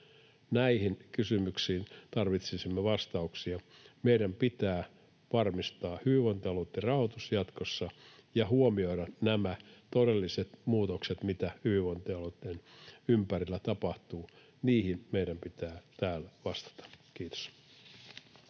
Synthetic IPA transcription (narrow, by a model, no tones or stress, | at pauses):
næihinkysymyksiːnt̪ɑrʋit̪sisimːeʋɑst̪ɑuksiɑmeidæmpit̪æː | ʋɑrmist̪ɑːhyʋiʋont̪iɑlot̪ːirɑhot̪usjɑt̪kosːɑjɑɦuomio̞idɑnnæmæt̪odelːiset̪muːt̪okset̪mit̪æhyʋiʋont̪iɑlot̪ːˑenympærilːæt̪ɑpɑht̪uː | niːhinmejdæmpit̪æːt̪æːlʋɑst̪ɑ̥t̪ɑ̥kiːt̪o̥s